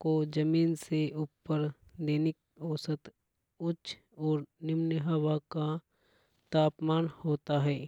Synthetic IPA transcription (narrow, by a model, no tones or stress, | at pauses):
kod͡ʒɐmiːnseʔuːpːəɾd̪eːnɪk | ɔːsət̪ | ʊt͡ʃʰ | ɔːɾnɪmnəɦawaka | t̪aːpmaːnhoːt̪aɦɛː